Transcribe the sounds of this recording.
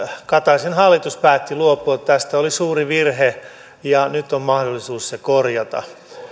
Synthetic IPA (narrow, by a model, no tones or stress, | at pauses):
kɑt̪ɑsenhɑlːit̪uspæːt̪ːiluopːˑoːt̪t̪æst̪æolisuːriʋirhe | jɑnyt̪ːommɑhdolːisuːssekorjɑt̪ɑ̰